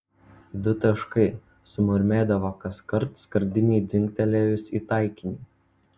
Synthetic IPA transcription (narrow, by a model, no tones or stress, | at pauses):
d̪ʊt̪ɐʃkɐɪ | sʊmɐɾʲmʲeːd̪ɐʋoːkɐskɐɾt̪skɐɾʲd̪ʲɪnʲɛɪd̪zʲɪŋʲkt̪ʲɛlʲejʊsiːt̪ɑˑɪkʲɪnʲɪ